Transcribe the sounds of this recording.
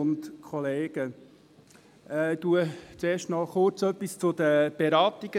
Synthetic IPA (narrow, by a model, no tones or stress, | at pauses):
ʊnt̪kʰɔleːɡ̥ə | ɛːd̪uət͡seːʃtmɑːlχʊɾt͡sœpːist͡sʊd̥̪əb̥eɾɑːt̪iɡ̥ə